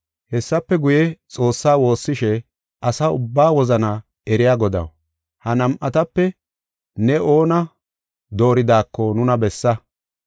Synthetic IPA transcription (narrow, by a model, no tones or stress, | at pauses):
hɛsːɐpːɛɡʊjɛt͡sʼo̞ːsːaːwo̞ːsːɪʃɛ | ʔɐsɐʊbːaːwɔzɐnɐ | ɛɾɪjaːɡɔd̪ɐ̰w | hɐnɐmʔɐt̪ɐpːɛ | nɛʔo̞ːnɐ | d̪o̞ːɾɪd̪aːkːɔnʊnɐbɛsːɐ